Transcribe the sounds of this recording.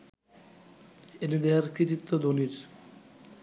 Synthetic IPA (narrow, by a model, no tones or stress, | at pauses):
enid̪eaɾkɾit̪it̪ːod̪oniɾ